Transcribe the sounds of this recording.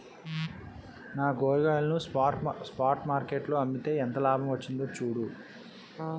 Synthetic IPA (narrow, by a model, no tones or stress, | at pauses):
naːɡoːɾiɡaːlɐnuspaːɾʈmaːɾkeːʈloːɐmbit̪e̞ːɛnt̪ɐlaːbʱɐmʋɐt͡ʃːind̪oːt͡ʃuːɽu